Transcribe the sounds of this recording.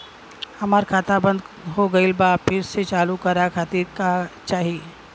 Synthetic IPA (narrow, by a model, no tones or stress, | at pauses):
hɐmaːɾkʰaːt̪abə̃nd̪ɦoɡɐilbaːpʰɪset͡ʃaːlukɐɾakʰat̪ikat͡ʃaːɦieː